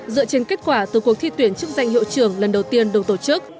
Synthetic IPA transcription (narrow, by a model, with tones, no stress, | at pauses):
zɨ̰˧˨ət͡ɕe˧nke˦˥t̚kwaː˧˩t̪ɨ˨˩ku˨˩ət̪ʰi˧t̪wi˧˩ənt͡ɕɨ˦˥ək̚za˧jŋɦḭ˧˨wt͡ɕɨ˧˩əŋlə˨˩nɗə˨˩wt̪i˧ənɗə˨˧˩wt̪o˧˩t͡ɕɨ˦˥k̚